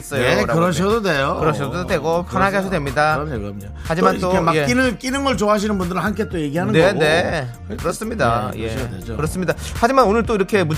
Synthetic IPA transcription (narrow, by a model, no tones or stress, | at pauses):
s͈ʌjoɾɯɾʌɕʰidodejokɯɾʌɕʰododwe̞ɡopʰanɦaɡeaɕʰʌdwemɲida | had͡ʑimant͈omeinɯk͈inɯŋɯɭt͡ɕoaɕʰinɯnbundɯɾɯɭhankʰet͈oje̞ɡiɦanene̞ | kɯɾʌs͈ɯmɲidajeekɾʌs͈ɯmɲidahad͡ʑimanonɯɭt͈oiɾʌkʰe̞mu